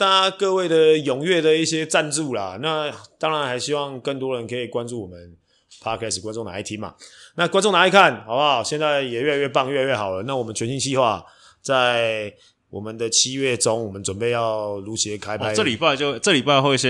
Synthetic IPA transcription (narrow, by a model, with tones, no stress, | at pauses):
t̪a˥kɤ˥˧we˥˩ɪd̪ə˨jʊ˨˩ŋɥɛ˥˩d̪ə˨i˥˩ɕjɛ˥ʈ͡ʂa˥˧nt͡su˥˩la̰˩na˥˨˩t̪ɑ˥ŋɻa˧˦nxa˧˥ɪɕi˦˥wɑ˥˧ŋkə˥˩nt̪wɔ˥ɻə˧˦nkʰɤ˧˥i˨˩kwa˦nʈ͡ʂu˥˩wɔ˨˩mə˦n | pʰa˦˥kʰɛ˦˥s̩˨˩kwa˥nʈ͡ʂʊ˥˩ŋna̰˧˦i˥˩t̪ʰi˧˥nma̰˨˩na˥˨˩kwa˥nʈ͡ʂo˥˨ŋna˧˥i˧kʰa˥˩nxa˨˩ʊpa˨˩ɕjɛ˥˧nt͡sa˥˩ɪjɛ˨˩ɥɛ˥˧a˧˦ɥɛ˥˧˩p̬a˥˧ŋɥɛ˥˧a˧˦ɥɛ˥˩xɑ˨˩ʊlə˦na˥˨wɔ˨˩mə˦nt͡ɕʰɥɛ˧˦nɕi˥ŋt͡ɕʰi˥˧xwa˥˧ | t͡sa˥˩ɪɪ | wʔɔ̰˨˩mə˦nd̪ə˨t͡ɕʰi˦ɥɛ˥˩ʈ͡ʂʊ˥ŋwɔ˨˩mə˦nʈ͡ʂwə˨˩npe˥˧ɪjɑ˥˩ʊlu˧˥ɕjɛ˧˥kʰa˥˦ɪpʰa˥˦ə˥˨li˨˩pa˥˧ɪt͡ɕo˥˧ʈ͡ʂɤ˥˨li˨˩pa˥˧ɪxwe˥˧˩ɕɛ˦